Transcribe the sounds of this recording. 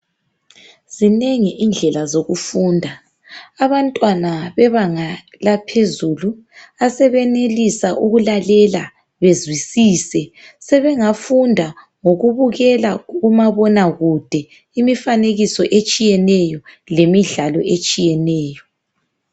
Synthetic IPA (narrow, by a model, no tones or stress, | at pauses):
z̥ineŋiʔind͡ɮʱɛlazoɣufuːndʱa | aβantʼwanaβɛβaŋa | lapʰezulu | asɛβɛnelisaʔuɣulalɛla | βezwisiːsɛsɛβɛŋafundʱa | ŋoɣuβuɣɛlaɣumaβɔnaɣud̥ʱɛ | imifaneɣisɔʔet͡ʃʼijɛnɛjɔ | lemiɮalɔ̰et͡ʃʼijɛnɛːjɔ